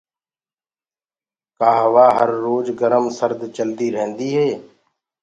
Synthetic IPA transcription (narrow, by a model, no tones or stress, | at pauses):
kaːɦəʋaːɦəɾːoːd͡ʒɡəɾəmsəɾd̪t͡ʃəld̪iːɾəɦə̃nd̪iːɦeː